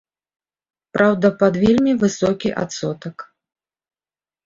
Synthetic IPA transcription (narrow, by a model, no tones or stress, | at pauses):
pɾʔawd̪ɐpad̪vʲelʲmʲivɨsɔkʲiʔa̰t̪sɔt̪ɐk